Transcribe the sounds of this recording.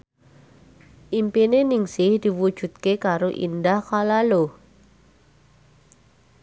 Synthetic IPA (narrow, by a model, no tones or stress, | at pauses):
ʔimpinenɪŋsɪhd̪̥iwud̥ʒ̥ṳt̪̚kekaɾoʔḭndahkalalo